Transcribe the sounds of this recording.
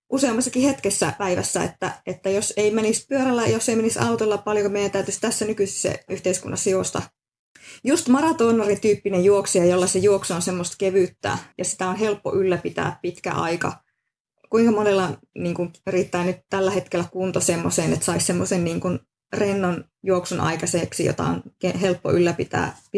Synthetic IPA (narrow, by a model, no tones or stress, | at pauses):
ʔuseɑmːɑsːɑkihet̪kesːæ̰pæiʋæ̰sːæḛt̪ːæʔet̪ːæjoseimenispyøɾælːæjoseimenisɑ̰ut̪elːɑppɑljokumeijænt̪æyt̪yst̪æsːænykyse̥sːḛyht̪eiskṵnːɑ̰sːɑjost̪ɑ̰ | just̪mɑrɑt̪oːnɑrit̪yːpːinejjuoksejɑjolːɑsejuoksonsemːost̪keʋyːt̪ːæ̰ːjɑsi̥t̪æonɦelpːo̰ʔylːæpit̪æ̰ːppit̪kæ̰ʔɑ̰ikɑ̰ | kuiŋkɑmonelːɑ | niːŋkuŋyrit̪ːæːnyt̪t̪ælːæhet̪kelːækunt̪osemːoseːnḛt̪sɑissemːosenniːŋkun | renːon | juoksunʔɑ̰ikɑseːksijo̰t̪ɑ̰o̰nkeɦelpːo̰ʔylːæpit̪æ̰ːp